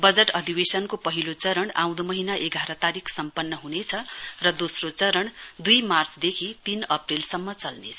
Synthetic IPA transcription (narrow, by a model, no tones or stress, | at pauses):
bʌd͡zeʈʌd̪ibesʌnkopʌɦilot͡sʌɾʌɳã̰w̃d̪omʌɦinaʔeɡʱaɾʌt̪aɾikʰsʌmpʌnːʌɦunet͡sʰʌrʌd̪osrot͡sʌɾʌɳd̪ujmart͡sd̪ekʰit̪inʌprilsʌmːʌt͡sʌlnet͡sʰʌ̥